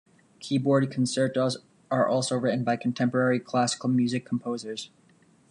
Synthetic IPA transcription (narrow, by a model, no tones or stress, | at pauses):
kʰibɔɹd̚kʰn̩sɜ˞toz | ə˞ʔɔlˠsoʊɹɪʔn̩baɪkʰn̩tʰɛ̃mpə˞ɛɹikʰl̥æsə̥kl̩ˠmjʉzɨkʰːm̩pʰoʊzə˞z̥